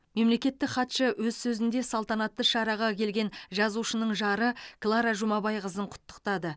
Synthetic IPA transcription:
me̞mle̞kʲe̞t̪ːɪkχɑt̪ʃəwɵzsɵzɪnd̪e̞sɑlˠt̪ɑnɑt̪ːəʃɑɾɑʁɑkʲʰe̞lɡʲe̞nʒɑzuʃənəɴʒɑɾəklˠɑɾɑʒʊmɑbɑjqəzəɴqʰʊ̥t̪ːə̥qt̪ɑd̪ə

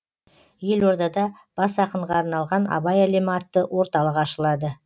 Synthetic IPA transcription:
je̞lwo̞ɾd̪ɑd̪ɑ | b̥ɑsɑqəɴʁɑːɾnɑlˠʁɑnɑ̰bɑjaleməɑt̪ːəwo̞ɾt̪ɑlˠəqɑʃəlˠɑd̪ə

